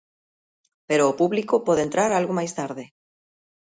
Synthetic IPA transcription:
peɾoːpuβlikopɔðent̪ɾaɾalɣomajst̪aɾðe

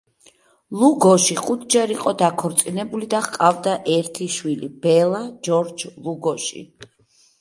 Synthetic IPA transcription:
lˠuɡɔʃiχut̪ʰd͡ʒɛɾiqʼɔd̪akʰɔɾt̪sʼinɛbulid̪aχkʼavd̪aʔɛɾt̪ʰiʃwilib̥ɛlˠad͡ʒɔɾd͡ʒlˠuɡɔʃḭ

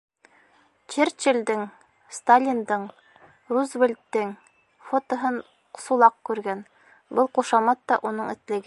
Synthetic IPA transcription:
t͡ʃeɾt͡ɕɘ̆ld̪ɘŋ | st̪alʲind̪ɤɴ | ruzvelʲt̪ːɘŋ | fot̪ŏɦɤn | sulˠɑq̚kʉɾɡæn | bɤlˠquʃɑmɑt̪ːɑʔunɤɴɘ̆t̪lɘ̆ɡɘ

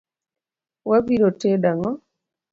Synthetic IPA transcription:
wabiɾotedaŋɔ

